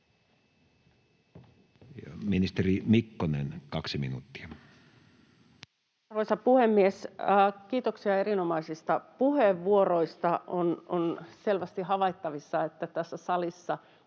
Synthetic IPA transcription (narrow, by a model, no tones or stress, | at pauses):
jminist̪erimikːonḛnkɑksimḭnṵːt̪ːi̥ɑ | rʋoisɑpuhemːiesːkiːt̪oksiɑeɾinomɑisist̪ɑpuheʋːuoro̞ist̪ɑʔononselʋæst̪iɦɑʋɑjt̪ːɑʋisːɑet̪ːæt̪æsːæsɑlisːɑ